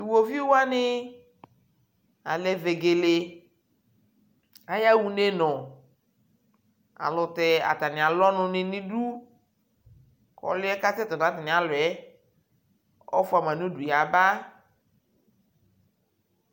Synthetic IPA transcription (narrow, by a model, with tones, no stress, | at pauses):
i˨wo˨vi˦wa˦nɪ˦ | a˨lɛ˨ve˨ɡe˨le˦ | a˨ja˦wu˨ne˦nɔ̃˨ | a̰˨lɔ˨t̪ɛ˨a̰˨t̪a˨nɪ̃˨a˨lɔ˦nʊ̃˦nɪ̃˦nĩ˦ɖu˦ | kɔ̰˨lɪ˦ɛ˦ka˦t̪ɛ˦t̪ɔ˨na˨˦t̪a˨nɪ̃˨a˨lʊ˨ɛ˦ | ɔ̰˦fʊ˦a˨m˨ã˨nũ˦du˨ja˨ba˦